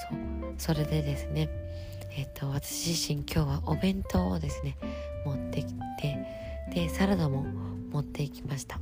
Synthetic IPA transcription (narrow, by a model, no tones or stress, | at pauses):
soːso̞ɾe̞d̪e̞d̪e̞sɨne̞ | et̪ːo̞βat̪ḁɕiʑiɕĩŋkʲo̞ːβaʔo̞bẽ̞nt̪o̞ːd̪e̞sɨne̞ | mo̞t̪ːe̞kʲi̥t̪ʰe̞ | d̪̥e̞saɾad̪omo̞ | mo̞t̪ːe̞ikʲi̥maɕi̥t̪ḁ